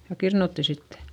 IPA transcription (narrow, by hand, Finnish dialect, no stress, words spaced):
jɑ kirnutːi sitːe̥